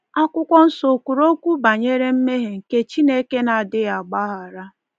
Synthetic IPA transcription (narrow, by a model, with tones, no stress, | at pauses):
a˦kʷʊ˦kʷɔ˦n̩˦so˨ku˨ɾo˦kʷu˦ba˨ɲe˦ɾe˦m̩˦me˦ɦe˨ŋ̩˨ke˦t͡ʃi˦ne˦ke˦na˨dɪ˦ɣa˨ɡ͡ba˦ɦa˨ɾa˦